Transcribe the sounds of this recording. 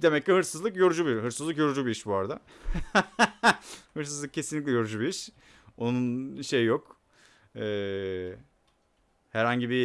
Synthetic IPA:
d̪e̞mɛcːiɦɯɾsɯzlˠɯkjoɾud͡ʒubiɾɦɯɾsɯzˠɯkjo̞ɾud͡ʒubiiʃbuaɾad̪a | hɯɾsɯzlˠɯkcʰe̞sinlʲic̬lʲɛjo̞ɾud͡ʒubiiʃ | o̞nunʃe̞jjok | ɛː | hɛɾhaɲɟibi

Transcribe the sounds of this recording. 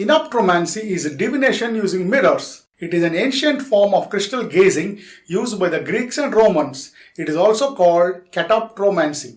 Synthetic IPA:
ɪnapʈɾoːmæ̃nsiɪzɖiʋineːʃə̃njuːzĩŋɡmɪɾəɾs | ɪʈɪzæ̃nẽːnʃə̃ɳʈfɔːɾmɔːʋkɾɪsʈəlɡeːzɪ̃ŋɡjuːzɖ̚baɪd̪ɐɡɾiːksɛ̃ɳɖɾõːmə̃ns | ɪʈɪzɔːlsoːkɔːlɖkɛʈaːp̚ʈɾoːmæ̃nsi

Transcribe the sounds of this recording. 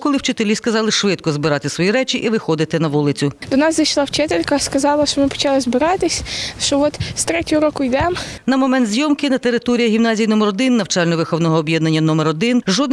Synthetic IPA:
kɔlˠɪwt͡ʃɪt̪elʲiskɐzɑlˠɪʃʋɪt̪kɔzbɪɾɑt̪ɪsʋɔjiɾɛt͡ʃʲiʔiʋɪxɔd̪ɪt̪ɪnɐʋulˠɪt͡sʲʊd̪ɔnɑszɐjʃlˠɑwt͡ʃɪt̪elʲkɐskɐzɑlˠɐʃt͡ʃɔmɪpɔ̥t͡ʃɑlˠɪzbɪɾɑt̪ɪsʲʃt͡ʃɔʋɔt̪st̪ɾɛtʲʊʊɾɔkʊjd̪ɛmnɐmɔmɛnt̪zʲjɔmkɪnɐt̪eɾɪt̪ɔɾʲijɐɦʲimnɑzʲijnɔmɛɾɔd̪ɪnːɐwt͡ʃɑlʲnɔʋexɔwnɔɦɔːbʲjɛd̪nɐnʲːɐnɔmeɾɔd̪ɪnʒɔd̪n

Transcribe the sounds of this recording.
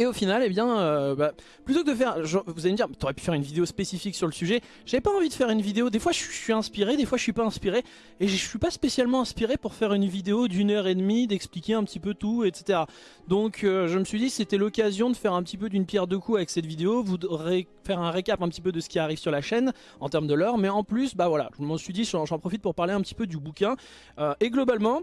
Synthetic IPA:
eofinalebjɛ̃øba | plyt̪okəd̪əfɛʁʒɔvuzaleməd̪iʁmɛt̪yɔʁɛpy̥fɛʁynvid̪eospesifiksyʁləsyʒɛ | ʒ̥avɛpaɑ̃vid̪əfɛʁynvid̪eod̪efwaʒəɥisɥiɛ̃spiʁed̪efwaʒəsɥipaɛ̃spiʁe | eʒəəsɥipaspesjalmɑ̃ɛ̃spiʁepuʁfɛʁynvid̪eod̪ynœʁed̪mid̪ɛksplikʲeɛ̃pət̪ipøt̪uet̪se̥t̪eʁa | d̪ɔ̃køʒəməsɥid̪iset̪ɛlɔkazjɔ̃d̪əfɛʁɛ̃pət̪ipød̪ynpjɛʁd̪əkuavɛksɛt̪vid̪eovud̪ʁe | fɛʁɛ̃ʁekapɛ̃pət̪ipød̪əsə̥kʲiaʁivsyʁlaʃɛn | ɑ̃t̪ɛʁmd̪əlœʁmɛɑ̃plysbavwala̰ʒəməsɥid̪iʒɑ̃ʒɑ̃pχɔfit̪̚puʁpaʁleɛ̃pət̪i̥pød̪ybukʲɛ̃ | øeɡlɔbalmɑ̃

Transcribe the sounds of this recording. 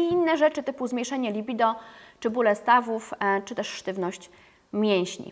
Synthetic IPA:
iinːɛʐɛt͡ʂɘt̪ɘpuzmʲejʂɛɲɛlʲibʲid̪ɔt͡ʂɘbulɛst̪avuft͡ʂɘt̪ɛʂʂt̪ɘvnɔɕt͡ɕ | mʲjɛ̃w̃ɕɲḭ

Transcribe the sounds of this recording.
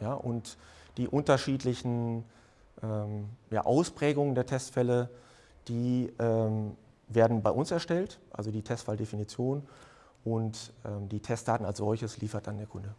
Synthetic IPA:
jaːʔʊntd̥iːʔʊntɐʃiːtlɪçn̩ | ʔɛːmja̰ːʔaʊspʁ̥ɛːɡʊŋəndeːɐtʰɛstfɛlə | d̥iːʔɛːm | veːɐdn̩baɪʔʊnsɛɐʃtɛltʔa̰lzodiːtʰɛstfaldefinit͡sjoːn | ʔʊntʔɛːmdiːtʰɛst̚d̥aːtn̩alsz̥ɔlçəsliːfɐt̚d̥andeːɐkʰʊndə

